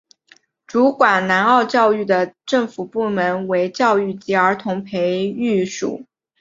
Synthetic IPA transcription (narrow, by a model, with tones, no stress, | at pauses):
ʈ͡ʂu˧˥kwa˨˩nna˧˥nɑ˥˧ʊt͡ɕjɑ˥˧ʊy˥˩d̪ə˩ʈ͡ʂɤ˥˩ŋfu˨˩pu˥˩mə˧˥nwe˧˥ɪt͡ɕjɑ˥˧ʊy˥˩t͡ɕi˧˥ə˞˧˥t̪ʰʊ˧˥ŋpʰe˧˥ɪy˥˩ʂṵ˨˩˦